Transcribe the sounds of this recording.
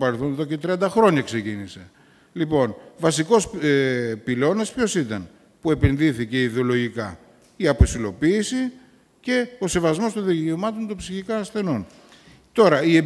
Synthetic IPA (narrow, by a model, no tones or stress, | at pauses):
pɐɾelθoneðo̞cet̪ɾiɐnd̪ɐxɾo̞ɲɐkse̞cinise̞ | lipo̞nvɐsiko̞s | pilo̞nɐspço̞sit̪ɐn | pue̞pe̞nðiθice̞iðeo̞lo̞ʝikɐ̰ | iɐposilo̞piːsi | ce̞o̞se̞vɐzmo̞st̪onðice̞omɐt̪o̞nt̪opsiçikɐːsθe̞no̞n | t̪o̞ɾɐie